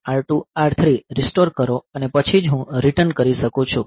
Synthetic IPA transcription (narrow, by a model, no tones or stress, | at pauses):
aɾʈuaɾt̪ʰɾiɾisʈoɾkəɾoənepət͡ʃʰid͡ʒɦũɾiʈənkəɾiʃəkũt͡ʃʰũ